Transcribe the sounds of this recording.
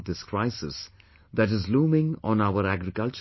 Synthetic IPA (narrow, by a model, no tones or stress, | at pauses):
d̪ɪskɾaɪsɪs | d̪æʈɪzluːmɪ̃ŋɔ̰̃ːnaʊəɾæɡɾɪkʌlt͡ʃ